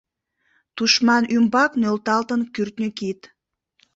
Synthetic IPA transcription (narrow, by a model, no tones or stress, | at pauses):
t̪uʃmɑnymbɑknølt̪ɑlt̪ənkyrt̪nʲəkit̪